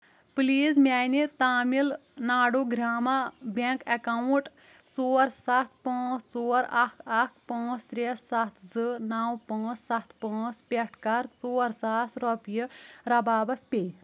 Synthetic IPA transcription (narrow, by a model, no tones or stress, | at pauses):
pliːzmʲaːjnit̪aːmilnaːɽoɡɾaːmabekɐkawuʈ | t͡soːɾsɐt̪̚ʰpãːt͡st͡soːɾakʰakʰpɐ̃ːt͡st̪ɾessɐt̪ʰzɨnaːwpɐ̃ːt͡ssɐt̪ʰpɐ̃ːt͡spʲɐʈʰkɐɾt͡soːɾsaːsɾɔpjəɾɐbaːbɐspʲej